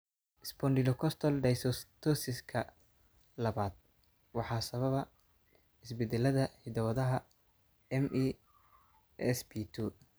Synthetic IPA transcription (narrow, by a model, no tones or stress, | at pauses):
ʔɪspʰɔnɖɪlɔkʰɔst̪ʰɔlɖɛjsst̪ʰɔsɪskʰɐ | lɐβaːd̪̚ | wɑħɑːsɐβɐβɐ | ɪsbɛd̪ɛlɐðɐhɪd̪ɐwɐðɐɦɐ | ɛmi | ɛsbit̪ʰu